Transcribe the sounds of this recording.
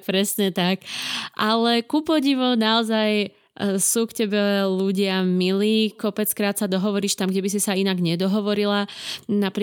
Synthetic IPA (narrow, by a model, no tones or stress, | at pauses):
pɾɛsɲɛt̪akʔalɛkupɔɟiʋɔnaɔzaj | suːkcɛbɛluɟɪamiliːkɔpɛt͡skɾaːt̪sad̪ɔɦɔʋɔɾiːʃt̪amɡɟɛbis̬isainaɡɲɛd̪ɔɦɔʋɔɾilanapɾ